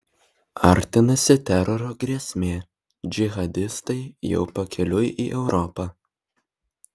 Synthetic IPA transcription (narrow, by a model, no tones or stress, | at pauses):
ɐˑɾʲt̪ʲɪnɐsʲɪt̪ʲæɾɔɾʲoːɡɾʲiɛsʲmʲeː | d͡ʒʲɪɣɐd̪ʲɪst̪ɐɪjɛ̰ʊpɐkʲɛlʲʊjʔḭːʔɛʊɾɔpɑ